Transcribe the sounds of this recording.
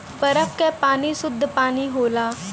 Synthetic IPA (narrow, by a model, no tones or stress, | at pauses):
pəɾəp̚kɛpaːniːsʊd̪ʱːpaːniːɦoːlaː